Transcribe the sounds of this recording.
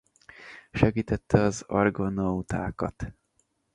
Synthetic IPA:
ʃɛɡiːt̪ɛt̪ʰːɛɒzɒ̰rɡonowt̪a̰ːkɒ̰t̪

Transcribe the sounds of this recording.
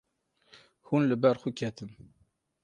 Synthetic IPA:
hunləbæɾˤxukːæt̪ən

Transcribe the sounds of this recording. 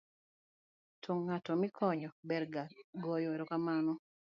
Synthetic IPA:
tʰoŋːatɔmikʰɔɲɔbɛɾɡaɡɔjɔeɾokamanɔ

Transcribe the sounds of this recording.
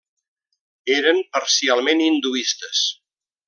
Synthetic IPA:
eɾəmpəɾsialˠmenind̪uist̪əs

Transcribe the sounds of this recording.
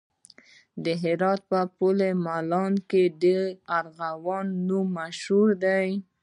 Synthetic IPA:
d̪əɦɪɾɑt̪̚pəpulemalɑnked̪əaɾɣawɑnːumːaʃhuɾd̪aj

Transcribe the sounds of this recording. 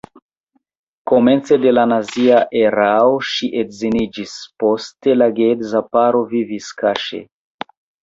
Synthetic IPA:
koment͡sedelanaziaʔeɾaoʃiʔetzinid͡ʒispostelaɡedzapaɾoviviskaʃḛ

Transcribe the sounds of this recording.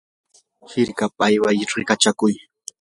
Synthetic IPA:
hɪɾkapajwajɾɪkat͡ʃakʊj

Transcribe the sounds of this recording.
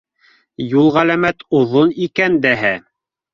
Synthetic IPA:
julˠʁælæmæt̪oðonikænd̪æɦæ

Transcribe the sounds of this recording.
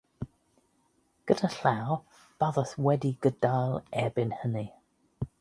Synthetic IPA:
ɡ̥ədaɬaw | b̥aðəθwɛdiɡədajlˠɛbɪnhəni

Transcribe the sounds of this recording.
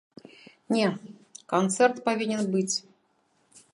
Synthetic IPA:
nʲekɐnt̪sɛrt̪pɐvʲinʲɛnbɨt͡sʲ

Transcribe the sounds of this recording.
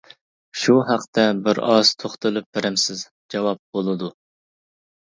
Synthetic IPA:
ʃuɦæqt̪ʰɛbɪɾɑz̥t̪ʰoχt̪ɨlˠɨp̚bɪɾɛmsɪz | d͡ʒɑwɑp̚b̥olˠɨd̪u

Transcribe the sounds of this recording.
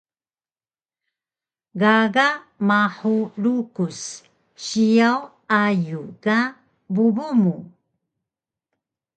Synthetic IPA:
ɡaɡamaħuɾukus | ɕiaw | ajuka | bubumu

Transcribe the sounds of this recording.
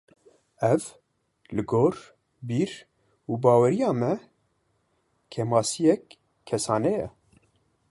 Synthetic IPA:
ɛv | lɨɡoːɾ | biːɾ | uːbɑːwɛɾijɑːmɛ | kʰɛmɑːsijɛkʰː | ɛsɑːnɛjɛ̰

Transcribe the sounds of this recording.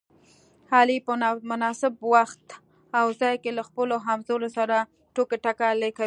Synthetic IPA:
hɑlipəmʊnɑsɪbwaxt̪ | awzɑjkelaxpəloɦamzoɾosaɾa | ʈokeʈakaleka

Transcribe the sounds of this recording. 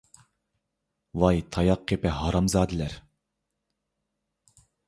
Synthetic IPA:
vɑjt̪ʰɑjɑqʰːepɪɦɑɾɑmzɑːd̪ɪlæɾ

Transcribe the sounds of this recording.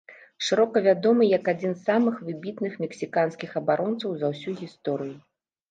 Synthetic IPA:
ʂɨɾɔkɐvʲad̪ɔmɨjɐkad͡zʲinsːamɨxvɨbʲit̪nɨxmʲɛksʲikanskʲixɐbaɾʔɔnt̪sɐwzɐwsʲuɣʲist̪ɔɾɨju

